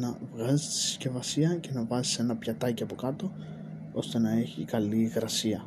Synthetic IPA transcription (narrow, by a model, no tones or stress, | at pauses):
nɐvɣɐzist̪i̥si̥sce̞vɐsiɐce̞nɐvɐzise̞nɐpçɐt̪ɐciɐpo̞kɐt̪o̞ | o̞st̪e̞nɐe̞çḭkɐliɣɾɐsiɐ